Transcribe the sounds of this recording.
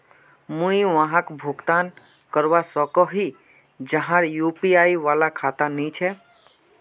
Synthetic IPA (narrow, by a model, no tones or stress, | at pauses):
mũĩʋəɦãkbʱʊɡt̪aːn | kəɾʋasɔkɔɦi | d͡ʒəɦãɾjupiaːiʋaːlakʰaːt̪anĩt͡ʃʰɛ